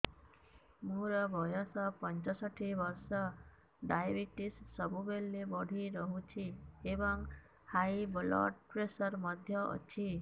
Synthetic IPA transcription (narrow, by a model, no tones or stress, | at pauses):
muɾɔbʱɔjɔsɔpɔnt͡ʃɔsɔʈʰibɔɾsɔ | ɖajbiʈisːɔbubelːebɔɽʱiɾɔɦut͡ʃʰiebɔŋ | hajblɔ̰ɖpɾesɔɾmɔd̪ʱjɔʔɔ̰t͡ʃʰi